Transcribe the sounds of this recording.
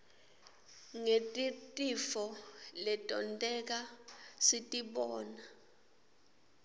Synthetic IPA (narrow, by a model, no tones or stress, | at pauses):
ŋetʼitʼifɔlɛtʼɔntʼɛk̬asitʼiɓɔːna